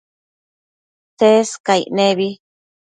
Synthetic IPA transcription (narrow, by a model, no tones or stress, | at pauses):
seskajnẽβi